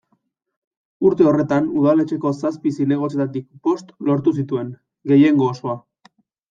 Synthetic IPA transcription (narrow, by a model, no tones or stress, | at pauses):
uɾt̪e̞o̞re̞t̪anuð̞ale̞t͡ʃe̞ko̞saspisile̞ɣ̞o̞t͡se̞t̪at̪ik̚po̞st̪lo̞ɾt̪us̬it̪ue̞ŋ | ɡe̞je̞ŋɡo̞ːso̞a